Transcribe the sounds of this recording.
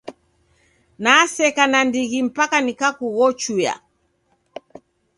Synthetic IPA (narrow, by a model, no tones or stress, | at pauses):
nasɛkanandiɣim̩pakanikakuɣɔt͡ʃuja̰